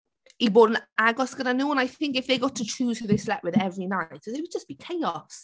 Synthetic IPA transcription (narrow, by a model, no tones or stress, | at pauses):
ibɔːɾə̃naɡɔsɡ̥ənənoʊə̃naɪθɪ̃ŋkɪfðeɪɡɒtʰət͡ʃʰuːz̥həðeɪslɛʔwɪðɛvɹinaɪtsðeɪwəd̚d͡ʒʌsb̥ikʰeɪɔs